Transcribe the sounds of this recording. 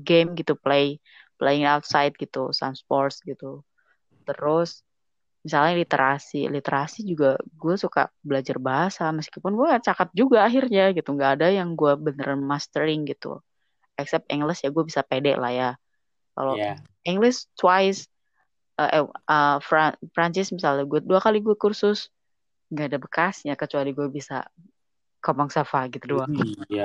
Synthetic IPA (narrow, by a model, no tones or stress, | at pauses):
ɡemɡit̪uple | pleɪŋawt̪̚sajt̪̚ɡ̥it̪usa̰mspɔrsɡit̪u | t̪əɾʊs | misalɲalit̪ḛɾʔasḭlit̪eɾasid͡ʒuɡaɡuasuka̰bəlad͡ʒarbaɦasaməskipʊnɡuaat͡ʃakat̪̚d͡ʒuɡaːɦirɲaɡit̪uŋɡaːdajaŋɡuabənəɾanmast̪əɾɪŋɡit̪ṵ | ɛksɛp̚t̪ḭŋɡləsjaɡuabisapedɛʔla̰hja | ka̰lo | ʔiŋɡlɪst̪waɪs | əʔəfafɾaɲt͡ʃɪsmisalɲaɡuaduakaliɡuakursʊs | ŋɡaːdabəkasɲakət͡ʃualiɡuabisa̰ | kɔmaŋsafaɡit̪udua